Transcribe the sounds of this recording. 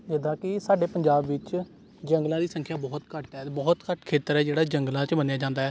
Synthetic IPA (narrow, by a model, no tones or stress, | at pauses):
d͡ʒɪd̪ãːkɪsaːɖeːpəɲd͡ʒaːbʋɪt͡ʃ | d͡ʒə̃ŋɡlãːd̪iːsə̃ŋkʰjaːbɔːt̪kəʈd̪ɛːbɔːt̪kəʈkʰeːt̪əɾɛːd͡ʒeːɽaːd͡ʒəŋɡlãːt͡ʃbənejaːd͡ʒãːnd̪aːɦɛː